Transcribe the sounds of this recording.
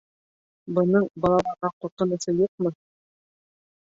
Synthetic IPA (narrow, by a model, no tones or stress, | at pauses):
bɤ̆nɤɴbɑlˠɑlˠɑɾʁɑqŭɾqɤ̆nɤ̆sɤjuq̚mɤ